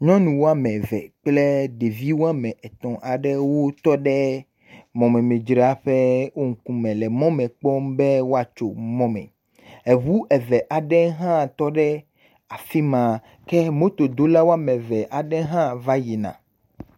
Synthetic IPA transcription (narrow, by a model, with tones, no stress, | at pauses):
ɲɔ̃˦nũ˨wo˦a˦˨mɛ̃˨vɛ̰˨k͡plɛ˦ɖe˨vi˦wo˦a˦mɛ̃˨ʔɛ˨t̪ɔ̃˨ʔa˨ɖɛ˦wo˦t̪ɔ˦ɖɛ˦ | mɔ̃˨mɛ̃˨me˨d͡ʒɾa˦ɸɛ˦wo˦ŋ̩˨kũ˦mɛ̃˨lɛ˨mɔ̃˦mɛ̃˨k͡pɔ˦mbɛ˦wo˦a˨t͡ʃo̰˨mɔ̃˦mɛ̰̃˨ | ɛ˨βu˦ʔɛ˨vɛ˨ʔa˨ɖɛ˦ɦã˦t̪ɔ˦ɖɛ˦ | a˨fi˦mã˨ | kɛ˦mõ˦t̪o˨d̪o˦la˦wo˦a˦˨mɛ̃˨vɛ˨ʔa˨ɖɛ˦ɦã˦va˦ji˨nã̰˨